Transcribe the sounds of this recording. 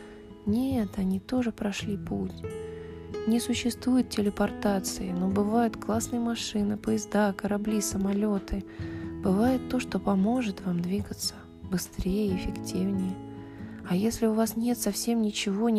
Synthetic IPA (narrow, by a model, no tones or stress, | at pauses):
nʲet̪ɐnʲit̪o̞ʐɨpɾɐʂlʲiputʲ | nʲɪsʊɕːɪst̪vujʊt̪̚ʲtʲɪlʲɪpɐrt̪at̪sɨɪnobɨvajʊt̪klˠasnɨjəmɐʂɨnɨpəjɪzd̪akəɾɐblʲisəmɐlʲo̞t̪ɨb̥ɨvajɪt̪ːo̞ʂt̪o̞pɐmo̞ʐɨt̪vamd̪vʲiɡət̪sə̥ | bɨst̪ɾʲejəɪfʲɪktʲivnʲɪjə | ɐjesʲlʲɪʊvasnʲe̞t̪sɐfsʲe̞mnʲɪt͡ɕɪvo̞nʲ